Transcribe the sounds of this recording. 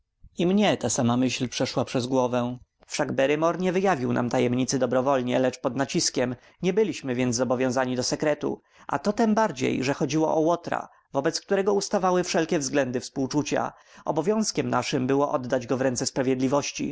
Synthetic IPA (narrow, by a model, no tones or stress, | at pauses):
imɲɛt̪asamamɘɕlpʂɛʂwapʂɛzɡwɔvɛ̃ | fʂaɡbɛɾɘmɔɾɲɛvɘjavʲiwnʔa̰mt̪ajɛmɲit̪sɘd̪ɔbɾɔvɔlɲɛlɛt͡ʂpɔd̪nat͡ɕiskʲɛm | ɲɛbɘlʲiɕmɘvʲjɛnzzɔbɔvʲjɔ̃w̃zaɲid̪ɔsɛkɾɛt̪ṵ | ʔa̰t̪ɔt̪ɛmbaɾd͡ʑḛjʐɛxɔd͡ʑiwɔ̰ʔɔwɔt̪ɾa̰ | vɔbɛt̪sk̚t̪uɾɛɡɔust̪avawɘfʂɛlkʲɛvzɡlɛnd̪ɘfspuwt͡ʂut͡ɕa̰ | ɔ̰bɔvʲjɔ̃w̃skʲɛmnaʂɘmbɘwɔʔɔd̪ːad͡ʑɡɔvɾɛnt̪sɛspɾavʲjɛd̪lʲivɔɕt͡ɕḭ